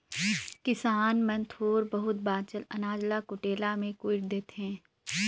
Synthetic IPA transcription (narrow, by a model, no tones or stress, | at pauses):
kɪsaːnmɐ̃nt̪ʰoːɾbɐɦʊt̪̚baːt͡ʃəlɐ̰naːd͡ʒlakʊʈeːlamẽkʊɪʈ̚d̪eːt̪eɦɛ̃ː